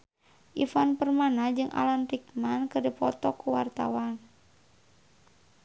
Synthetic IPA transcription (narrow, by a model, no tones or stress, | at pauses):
ʔifanpərmanad͡ʒɨŋʔa̰lant̪ikmankərdipɔt̪ɔkuwa̰rt̪a̰wan